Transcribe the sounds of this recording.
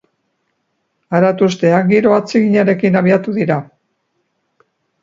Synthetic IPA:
aɾat̪ust̪e̞aŋɡiɾo̞at͡siɣiɲaɾe̞kinaβiat̪uðiɾa

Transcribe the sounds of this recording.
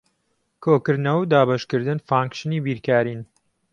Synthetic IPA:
kʰoːkɨɾd̪nɐwd̪aːbɐʃkɨɾd̪ɨnfaːŋkʃɨniːbiːɾkaːɾiːn

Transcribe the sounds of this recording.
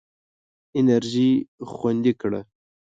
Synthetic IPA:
ɪnaɾʒixwand̪ikɽə̰

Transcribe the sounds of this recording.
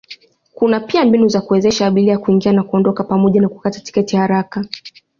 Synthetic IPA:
kunapiambinuzakuɛzɛʃaːɓiliakuiŋɡianakuɔndɔkapamɔʄanaku̥katḁti̥kɛtihaɾaka

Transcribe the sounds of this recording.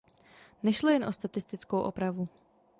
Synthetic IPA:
nɛʃlojɛnʔo̞st̪at̪ɪst̪ɪt͡skowʔo̰pɾavu

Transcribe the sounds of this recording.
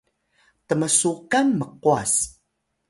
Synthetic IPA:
təməsukanməquas

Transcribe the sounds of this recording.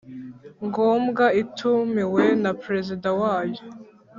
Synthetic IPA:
ŋɡoːmɡaitʰumiwe̞napɾe̞zidawaːjo

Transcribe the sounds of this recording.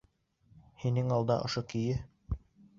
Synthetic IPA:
hinɘŋɑlˠd̪ɑʔŏʃokijɘ

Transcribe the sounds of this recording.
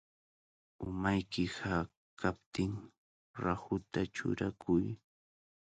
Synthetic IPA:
ʊmajkɪha | kʰap̚t̪ɪŋ | ɾahʊt̪at͡ʃʊ̰ɾakʰʊj

